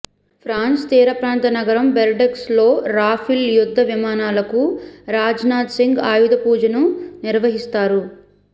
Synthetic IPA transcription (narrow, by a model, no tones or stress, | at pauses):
pʰɾaːnst̪iːɾɐpɾaːnt̪ɐnɐɡɐɾɐmbelɖekslo̞ːɾaːpʰiljud̪ʱːɐʋimaːnaːlɐkuɾaːd͡ʒnaːd̪siŋɡaːjud̪ɐpuːd͡ʒɐnuniɾʋɐɦist̪aːɾu